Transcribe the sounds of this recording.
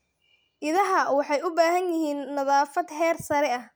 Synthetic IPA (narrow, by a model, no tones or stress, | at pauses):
ʔɪðɐɦɐwɑħɑjʊbaːɦɐnjɪɦiːnːɐðaːfɐd̪hɛːrsɐɾɛɐh